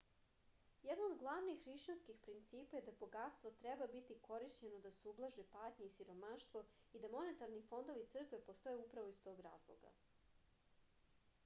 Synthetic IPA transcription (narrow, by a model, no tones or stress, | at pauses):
jed̪noːd̪ɡlˠaʋnixːɾiʃt͡ɕanskixpɾint̪siːpajed̪abo̞ɡat̪st̪ʋot̪ɾebabit̪iko̞ɾiʃt͡ɕenod̪aseublˠaʒepaːt̪ɲeisiɾo̞maʃt̪ʋo̞id̪amo̞ne̞t̪aɾnifo̞nd̪o̞ʋit̪sr̩kʋe̞po̞st̪o̞jeupɾaʋoist̪o̞ːɡɾa̰ːzlˠo̰ɡa̰